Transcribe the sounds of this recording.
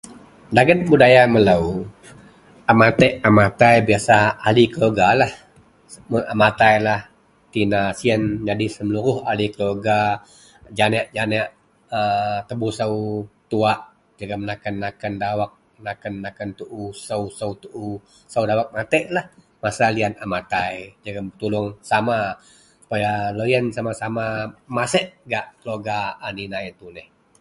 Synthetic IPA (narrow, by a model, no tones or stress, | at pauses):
daɡənbudajamələw | amat̪ɛʔamat̪ajbiasaalikəloɡalah | amat̪ajlah | t̪inasiənd͡ʒadisəmluɾʊhalikəloɡa | d͡ʒanɛʔd͡ʒanɛʔ | ət̪əbuhsəut̪uaʔ | d͡ʒaɡamənakənːakəndawak̚ | nakənːakənt̪uʔusəwsəwt̪uʔu | səwdawak̚mat̪əʔlah | masalianamat̪ajd͡ʒaɡamt̪ulʊŋsama | su̥pajaləjənsamasamamasəʔɡaʔkəloɡaːninajt̪unɛh